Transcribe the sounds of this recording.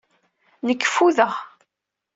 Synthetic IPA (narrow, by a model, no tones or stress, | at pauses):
nəkːə̥fuðəʁ